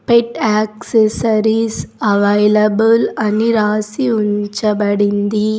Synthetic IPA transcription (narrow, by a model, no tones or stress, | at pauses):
pɛʈaːksesɐɾisɐʋɐjlɐbɐlɐniɾaːsiʊɲd͡ʒɐbɐɽɪnd̪i